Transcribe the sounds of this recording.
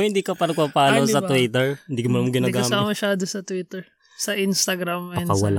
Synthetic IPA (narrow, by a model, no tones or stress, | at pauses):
hɪnd̪iːkɐpaːɾɐpapaːnosɐwit̪ɛɹɪnd̪iːkɐmɐnamɐɡɪnaːɡaɐːaɐmɐʃaːd̪osɐt̪wit̪ɛɹ | sɐʔinst̪ɐɡɾamɛpɐkɐwɐla